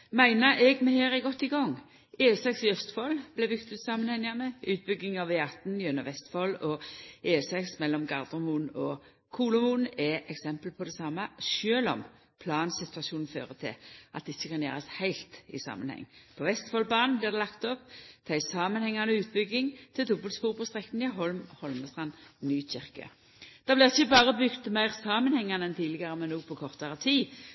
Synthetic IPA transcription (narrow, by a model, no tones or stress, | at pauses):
mæɪnəɾʔɛɡmɛheːɾɪɡɔt̪ːɪɡɔŋː | eːsɛksɪœst̪fɔlb̥lɛbʏkt̪ʉt̪sɑːmənhɛŋənəʉːt̪̚bʏɡːɪŋɑʋeːɑt̪n̩jœnəʋɛst̪fɔlɔeːsɛksmɛlːɔmɡɑʁd̪ɔmuːnɔ | kʰuːlʊmuːn̩ɛʔɛksɛmpəlpʰɔd̪ɛsɑmːəʃøːlɔ̰m | pʰlɑːnsɪt̪ʉɑʃuːnn̩fø̰ːʁət̪ʰɪ̰lʔɑ̰t̪̚d̪ɪçːəkɑnjæ̰ːʁɑshæɪlt̪ɪ̰sɑ̰ːmənhɛ̰ŋːpʰɔʋɛst̪fɔlbɑːnn̩blɪːʁd̪ɛlɑkt̪ɔpt̪ʰæɪsɑːmənhɛŋːɑnəʉːt̪̚bʏɡːɪŋt̪ʰɪld̪ʊbəlt̪spuːʁpʰɔst̪ʁɛk̪ːn̩jɑɦɔlmhɔlməst̪ʁɑnnyːc͡çɪʁkə̰ | d̪̥ɑblɪʁɪçːəbɑːʁəbʏɡt̪mæɪʁsɑːmənhɛŋːɑnəɛnt̪ʰiːlɪɡəʁəmɛnːuːɡpʰɔkʰɔʁt̪ɑʁət̪ʰiː